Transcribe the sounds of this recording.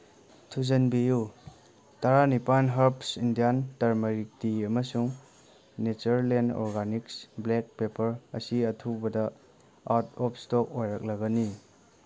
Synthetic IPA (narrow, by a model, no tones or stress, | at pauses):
tʰuzɐnbiju | taɾanipanɦɐɾpsindijantɐɾmɐɾik̚tiɐmɐsuŋ | net͡ʃɐɾlenɔ̰ɾɡaniksblek̚pepɐɾɐ̰siɐtʰubɐdɐ | aɾtɔpʰstɔk̚ojɾak̚lɐɡɐni